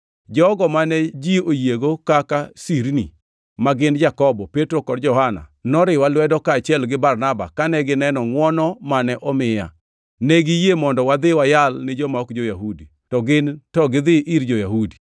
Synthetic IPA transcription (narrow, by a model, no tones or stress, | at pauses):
d͡ʒɔɡɔmanɛd͡ʒiojeɡokakasiɾnḭ | maɡɪnd͡ʒakɔbɔpetɾokɔdd͡ʒɔhana̰nɔɾɪwalwɛdɔkaːt͡ʃɪɛlɡɪbarnaba̰kanɛɡɪnɛnɔŋwɔnɔmanɛʔɔmɪja̰ | neɡɪjemɔndɔwad̪ɪwajalnɪd͡ʒɔmaɔkd͡ʒojaɦudi | tɔɡɪntɔɡɪd̪ɪʔiɾd͡ʒɔjaɦudi̥